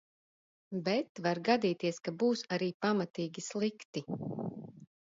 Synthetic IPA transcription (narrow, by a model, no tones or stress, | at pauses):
bɛt̪vaɾɡad̪iːt̪iɛskabuːsaɾiːpamat̪iːɡʲislˠikt̪i